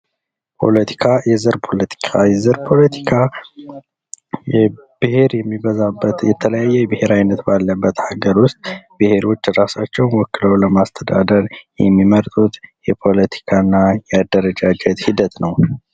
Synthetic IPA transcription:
pʰo̞̰lət̪ʰi̥kʰajɛzɨɾpʰo̞lət̪ʰi̥kʰajɛzɨɾpʰo̞lət̪ʰi̥kʰa | jb̥ɨheɾjɛmːibəzabːət̪jɛt̪ʰələjajːɛjɛbɨhe̞ɾajnət̪balːəbːət̪haɡəɾwʊst̪ʼbɨhe̞ɾo̞t͡ʃːɾasat͡ʃːɛwnwɔkːɨləwləmast̪ʰəd̪a̰d̪əɾjɛmːiməɾt̪ʼut̪jɛpʰo̞lət̪ʰi̥kʰanːajɛad̪ːəɾəd͡ʒad͡ʒɛt̪hid̪ət̪nəw

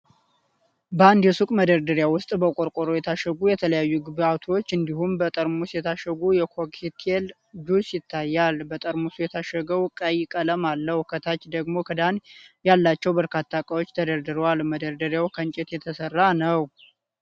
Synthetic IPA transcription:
bəand̪jɛsukʼməd̪əɾd̪əɾjawʊst̪ʼbəkʷʼoɾkʷʼoɾojɛt̪ʰaʃəɡujɛt̪ʰələjajːuɡɨbat̪ʰo̞t͡ʃːɨnd̪ihumbət̪ʼəɾmusjɛt̪ʰaʃəɡujɛkʰokʰit̪ʰel | d͡ʒusjɪt̪ʰːajːalbət̪ʼəɾmusujɛt̪ʰaʃəɡəwkʼəjɪkʼələmalːəhkʰət̪ʰat͡ʃːd̪əɡmo̞kʰəd̪anjalːat͡ʃːɛwbəɾkʰat̪ʰːakʼəwot͡ʃːt̪ʰəd̪əɾd̪ɨɾəwalməd̪əɾd̪əɾjawkʰənt͡ʃʼɪt̪jɛt̪ʰəsərːanəw

